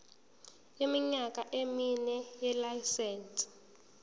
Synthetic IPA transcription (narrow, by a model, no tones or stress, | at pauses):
jemiɲakʼaʔeminɛjɛlajsɛːnsʼ